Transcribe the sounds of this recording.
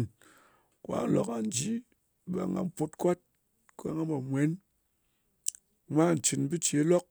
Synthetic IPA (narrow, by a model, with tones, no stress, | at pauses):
n | kʷa̰˦lo̰˨ka˨n˦d͡ʒi˦ | ba̰˨ŋa̰˨m˦po˦tkʷa˦t̚ | ka˦ŋa˦mba˨mʷ˨e˨˦n˦ | mʷa˦˨n̩˨t͡ʃi˨nbi˦t͡ʃe˨˦lɔ˦k̚